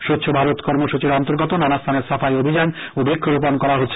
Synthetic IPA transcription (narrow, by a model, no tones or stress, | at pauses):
ʃut̪ːɕʰobʱaɾot̪kɔɾmoʃut͡ɕiɾɔnt̪oɾɡot̪onanast̪ʰaneɾsafajobʱid͡ʑanobekʰːoɾup̬onkɔɾaɦotːɕʰ